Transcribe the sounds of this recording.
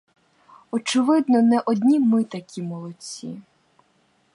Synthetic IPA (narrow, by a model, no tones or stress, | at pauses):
ɔt͡ʃɪʋɪd̪nɔnɛʔɔd̪ʲnʲimɪt̪ɐkʲimɔlˠɔt͡sʲḭ